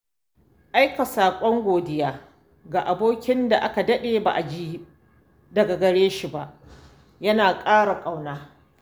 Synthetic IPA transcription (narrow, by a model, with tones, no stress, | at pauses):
ʔa˦jka˨saː˨kʷʼɔ˦ŋɡʷoː˨dɪ˦jaː˦ | ɡa˨ʔa˨boː˦kʲɪ˦nda˨ʔa˦ka˨dɐ˦ɗeː˨ba̰ː˨ʔa˨d͡ʒi˦ | dɐ˨ɡa˨ɡɐ˨ɽeː˦ʃi˨ba˦ʔ | jɐ˦naː˨kʼaː˦ɽa˨kʼa˨wnaː˦